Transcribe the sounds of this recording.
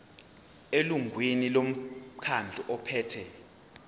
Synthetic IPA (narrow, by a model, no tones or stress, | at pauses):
eluŋʱwinilom̩kʰand͡ɮʱuʔɔpʰɛːtʰɛ